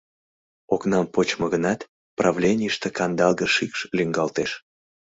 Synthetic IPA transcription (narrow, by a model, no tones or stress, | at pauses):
oknɑmpot͡ɕməɣənɑt̪ | prɑvlʲenʲijəʃt̪ekɑnd̪ɑlˠɣəʃikʃlyŋɡɑlt̪eʃ